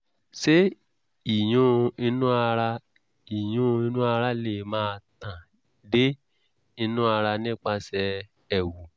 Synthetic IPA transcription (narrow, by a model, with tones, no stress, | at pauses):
se˦ | i˨j̃ũ˨˦˧i˧nũ˦a˧ɾa˧ | i˨j̃ũ˨˦˧i˧nũ˦a˧ɾa˦le˦˨˦mãː˦˧tã˨ | de˦ | i˧nũ˦a˧ɾa˧nĩ˦k͡pa˧sɛ˧ | ɛ˨wu˨